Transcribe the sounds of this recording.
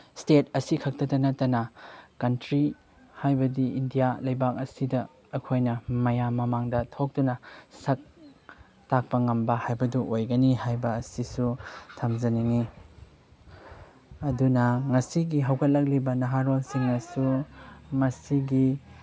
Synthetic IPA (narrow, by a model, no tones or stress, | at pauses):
stet̚ɐsikʰɐk̚tɐtɐnɐtːɐnɐkɐntɾi | hajbɐdiindijalɐjbak̚ɐsidɐː | kʰojnɐmɐjamɐmaŋdɐtʰok̚tunɐsɐk̚ | tak̚pɐŋɐmbɐhajbɐduʔojɡɐnihajbɐːsisutʰɐmzɐniŋi | ɐdunɐŋɐsiɡiɦɐwkʰɐt̚lɐk̬̚libɐnɐɦaɾolsiŋɐsu | mɐsiɡi